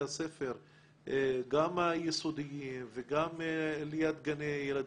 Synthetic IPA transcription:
ase̞feʁ | ɡamajesod̪ijimveɡamlijat̪ɡanejelad̪

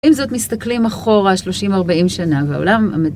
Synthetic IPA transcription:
imzo̞t̪mist̪aklimaχo̞ʁaʃloʃimaʁbaimʃanavea̰olama̰me

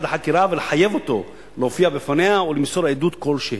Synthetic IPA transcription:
d̪aħakiɾavelħajevot̪o | lofiabefaneaulemsoɾaed̪ut̪kolʃeh

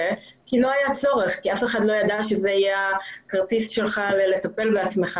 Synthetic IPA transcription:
e | kilo̞ajat͡so̞ʁeχkiafe̞χadlo̞jad̪aʃezeajeakaʁt̪istʃe̞lχalele̞t̪ape̞lbeat͡smeχa

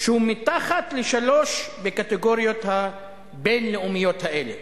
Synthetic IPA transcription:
ʃehumit̪aχat̪leʃalo̞ʃbekat̪eɡo̞ʁijo̞t̪ha | benleumijo̞t̪haʔele

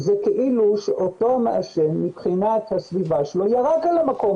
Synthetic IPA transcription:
zekeʔiluʃeʔoto̞meʔaʃemːipχinat̪hasvivaʃelojaʁakalamako̞m

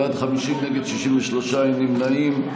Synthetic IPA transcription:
ad̪χamiʃimneɡed̪ʃiʃiɱveʃloʃanimnaim

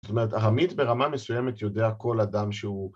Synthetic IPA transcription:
o̥t̪ome̞ʁetaʁamit̪be̞ʁamame̞sujeme̞t̪jo̞deako̞ladamʃeu

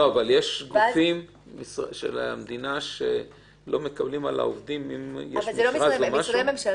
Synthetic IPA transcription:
oavaljeʃɡufim | misʁʃḛlamd̪inaʃḛ | lo̞me̞kablimala̰ovd̪imimjeʃamizelosmʁalomaʃememʃa

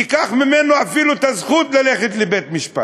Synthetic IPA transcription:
ikaχmimenoafiluet̪azχut̪lale̞χet̪lebet̪miʃpa̰

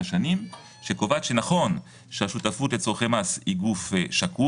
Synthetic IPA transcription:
ʃanim | ʃekovat͡sʃenaχo̞n | ʃeaʃutafut̪et͡soχemashiɡufʃaku

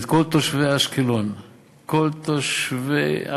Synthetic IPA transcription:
t̪kolt̪oʃveaʃkilon | kolt̪oʃvḛa̰

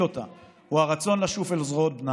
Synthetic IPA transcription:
ot̪a̰ | huhaʁat͡so̞nlaʃufelzʁot̪̚bna

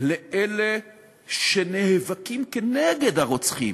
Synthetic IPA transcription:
leʔele | ʃenehevakimkeneɡed̪haʁot͡sχḭm

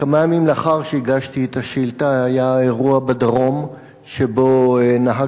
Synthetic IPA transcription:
kamajamimleaχaʁʃeiɡaʃt̪iet̪ʰaʃilt̪aajaeʁuabad̪aʁo̞m | ʃebonaɦa

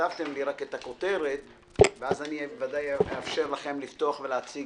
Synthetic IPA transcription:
avt̪e̞mliʁake̞t̪ako̞t̪e̞ʁet̪ | veazanivadajeafʃe̞ʁlaχe̞mlift̪o̞aχve̞leat͡si

